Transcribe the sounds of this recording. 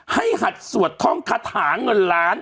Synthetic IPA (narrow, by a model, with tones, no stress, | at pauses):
ha˥˩jɦa˨˩t̪̚su˨˩ət̪ʰːɔ˥˩ŋkʰaː˧˥t̪ʰaː˩˦ŋɤ˧nlaː˦˥n